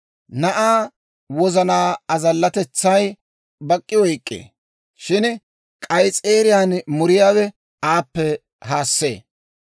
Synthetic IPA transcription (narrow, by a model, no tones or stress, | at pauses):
nɐʔaː | wɔzɐnaːɐzɐlːɐt̪ɛt͡sːɐj | bɐkʼːɪwɔjkʼːḛː | ʃɪn | kʼɐjt͡sʼeːɾɪjaːnmʊɾɪjaːwɛ | aːpːɛ | haːsːeː